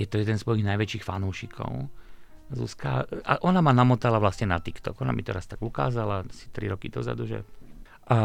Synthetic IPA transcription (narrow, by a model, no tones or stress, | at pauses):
jɛt̪ɔjɛd̪ɛnsʋɔjiɣnajʋɛt͡ʃiːxfanuːʃikʰɔ̰ʊ | zṵska̰a̰ʔɔnamanamɔt̪alaʋlasɲɛnat̪ikt̪ɔ̰ɡɔna̰mit̪ɛɾast̪aɡuka̰ːzalaasi̥t̪ɾḭɾɔkid̪ɔza̰d̪uʒɛ̰ | ʔa